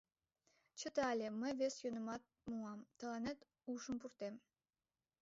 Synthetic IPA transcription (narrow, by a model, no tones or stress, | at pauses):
t͡ɕə̆t̪ɑlʲeməjvesjønə̆mɑt̪̚muɑmt̪ə̆lɑnĕt̪ | uʃə̆mpurt̪em